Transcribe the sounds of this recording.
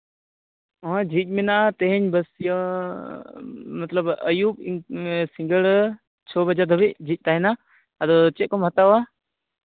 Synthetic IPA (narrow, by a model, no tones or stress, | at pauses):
ɔɦɔ̃d͡ʒʱic̚ˀmɛnaʔat̪ɛɦɛɲbəsj | mɐt̪ləbəjubisiŋɡəɭ | t͡ʃʰɔbəd͡ʒaɾd̪ʱɔbic̚d͡ʒʱic̚ˀt̪aɦɛnaː | d̪ɔt͡ʃɛʔ̚kɔmɦət̪awa